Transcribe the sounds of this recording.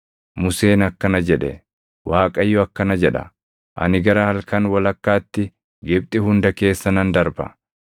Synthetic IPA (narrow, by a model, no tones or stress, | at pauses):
mʊse̞ːnɐkːɐnɐd͡ʒɛᶑɛ | waːkʼɐjːɔɐkːɐnɐd͡ʒɛᶑɐ̰ | ʔɐ̰nɪɡɐɾɐhɐlkɐnwɐlɐkːaːt̪ːɪ | ɡɪb̚t̪ʼɪhʊnd̪ɐke̞ːsːɐnɐnd̪ɐɾbɐ̰